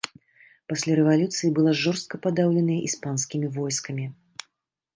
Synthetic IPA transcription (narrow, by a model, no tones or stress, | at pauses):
pasʲlʲaɾɛvalʲut̪sɨjibɨlˠaʐɔrst̪̚kɐpad̪awlʲɛnɐjɐʔispanskʲimʲivɔjskɐmʲi